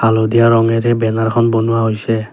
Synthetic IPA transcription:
alodijaɹɔŋɛɹɛbɛnaɹkʰɔnbonuwaɦojsɛ

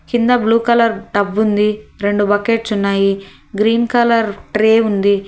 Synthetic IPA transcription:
kind̪ɐbluːkɐlɐɾʈɐbːund̪iɾe̞ɳɖubɐkeːʈsunːaːji | ɡɾiːnkɐlɐɾʈɾeːund̪i

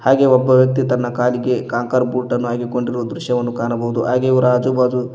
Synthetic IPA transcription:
haːɡe̞ːɔbːɐʋjɐk̚t̪it̪ɐnːɐkaːliɡe̞kaːŋkɐɾbuːʈɐnːuɦaːɡiko̞ɳɖiɾoːd̪ɾuʃjɐʋɐnːukaːnɐbɐɦud̪uɦaːɡeːɾaːd͡ʒubaːd͡ʒu

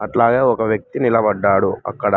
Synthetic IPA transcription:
ɐʈlaːɡeːɔkɐʋjɐk̚t̪inilɐbɐɖːaːɽuɐ̰kːɐɽɐ

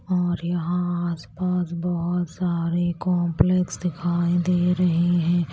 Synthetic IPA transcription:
ɔːɾjɐɦãaːspaːsbɐɦʊt̪saːɾekɔːmpleksd̪ɪkʰaːĩd̪eːɾɐɦiɦɛ̃ː

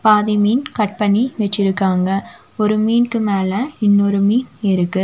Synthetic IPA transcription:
paːðɪmiːnkɐʈ̚pɐɳːiʋɛt͡ʃːɪɾɯkːaːŋɡɐ | ɔɾɯmiːnkɯmeːlɐɪnːɔɾɯmiːnɪɾɯkːɯ

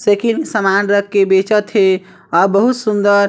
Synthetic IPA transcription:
sekiŋsəmanɾəkːebet͡ʃət̪ɦe | ɔɾbəɦut̪sund̪əɾ

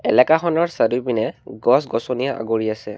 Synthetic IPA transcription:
ɛlɛkaxɔnɔɹsadubinɛɡɔsɡɔsonijaʔa̰ɡoɹiasɛ

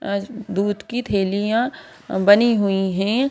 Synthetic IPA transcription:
d̪uːd̪kit̪ʰeːlijã | bɐniɦʊiɦɛ̃ː

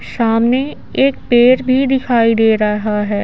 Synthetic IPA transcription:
saːmne | eːkpeːɾbʱid̪ɪkʰaːid̪eːɾɐɦaɦɛː

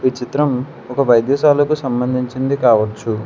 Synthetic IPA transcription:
ʋit͡ʃit̪ɾɐm | ɔkɐʋɐjd̪jɐːʃaːlɐkusɐmbɐnd̪ʱiɲt͡ʃind̪ikaːʋɐt͡ʃːu

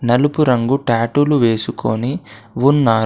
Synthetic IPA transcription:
nɐlupuɾɐŋɡuʈaːʈuluʋe̞ːsukoːniʋunːaːɾ

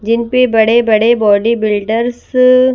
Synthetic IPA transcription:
d͡ʒɪnpebɐɽebɐɽebɔːɖibɪlɖəɾs

